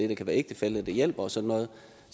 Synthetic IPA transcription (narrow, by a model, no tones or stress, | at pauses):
e̝d̥ɑkʰæʋæːɐe̝ɡ̥̚d̥əfel̰̩ˠd̥ejel̰b̥ɐɒ̽sɒ̽d̥nːɔ̽ːð̞̩ˠ